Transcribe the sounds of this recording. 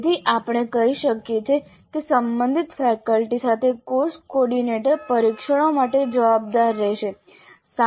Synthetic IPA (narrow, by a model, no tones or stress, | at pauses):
t̪iʔapɽ̃ekəɦiʃəkjet͡ʃʰe | kesəmbənd̪ʱit̪fɛkəlʈisat̪ʰekoɾskɔɾɖineʈəɾpəɾikʃəɽ̃omaʈed͡ʒəʋab̚d̪aɾːɛʃe | sa